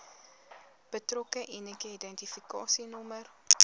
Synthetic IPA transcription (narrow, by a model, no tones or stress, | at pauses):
b̥ətrɔkəʔinəkəidɛntifikɑːsinɔmər